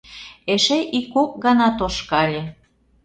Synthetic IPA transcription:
eʃeʔikːok̚ɡɑnɑt̪oʃkɑlʲe

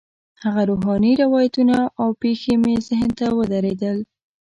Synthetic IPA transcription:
haɣaɾoɦɑniɾawɑjat̪unaʔawpexemezɪɦnt̪awəd̪aɾed̪əl

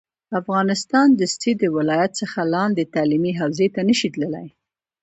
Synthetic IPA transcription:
afɣɑnɪst̪ɑnd̪əstid̪əwɪlɑjat̪səxalɑnd̪et̪ɑlimiɦawzet̪anəʃit̪ləla̰j

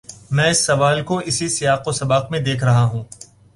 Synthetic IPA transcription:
mɛ̃ːɪsːɐʋaːlkoɪsisɪjaːqosɐbaːqmẽd̪eːkʰɾɐɦaɦũː

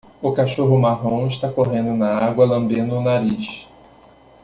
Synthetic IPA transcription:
ʊkaʃoɦʊmaɦõw̃ɪʃt̪akoɦẽnd̪ʊnɐaɡwɐlɐ̃mbẽd̪ʊnaɾiʃ

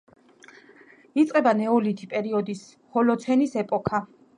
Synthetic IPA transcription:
it̪sʼqʼɛbanɛɔlit̪ʰipʼɛɾiɔd̪is | hɔlɔt̪sʰɛnisɛpʼɔkʰa

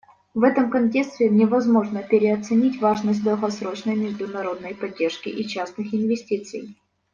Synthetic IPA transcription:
vɛt̪əmkɐnʲt̬ʲe̞kst̪vʲɪnʲɪvɐzmo̞ʐnəpʲɪɾʲɪɐt̪sɨnʲitʲvaʐnəsʲt̬̚ʲd̪əlˠɣɐsɾo̞t͡ɕnəjmʲɪʐd̪ʊnɐɾo̞d̪nəjpɐdʲːe̞rʂkʲɪ̰ʔit͡ɕasnɨxɪnvʲɪsʲtʲit̪sɨ̰j

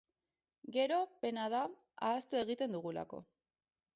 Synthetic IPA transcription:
ɡe̞ɾo̞pe̞naða | aːst̪ue̞ɣit̪e̞nd̪uɣ̞ula̰ko̞̰

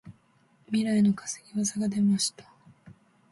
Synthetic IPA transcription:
mʲiɾaino̞kḁseɡʲiβasaɡad̪e̞maɕi̥t̪ḁ

